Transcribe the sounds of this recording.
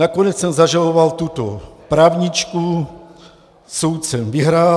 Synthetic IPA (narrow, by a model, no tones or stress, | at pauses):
nakonɛt͡ssɛmzaʒalovalt̪ut̪opɾaːvɲit͡ʃku | sowt̪sɛmvɪɦɾaː